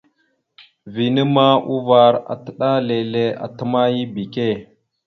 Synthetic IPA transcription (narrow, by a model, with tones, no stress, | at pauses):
vi˨nə˦ma˦u˦va˨ɾa̰˨tə˨ɗa˦le˨le˦a̰˨tə˦ma˦ji˦bi˨ke˦˨